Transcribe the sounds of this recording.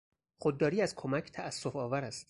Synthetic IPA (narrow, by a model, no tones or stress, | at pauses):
χod̪ːɒːɾiːæzkʰomæcʰt̪ʰææsːo̞fɒːvæɾæst̪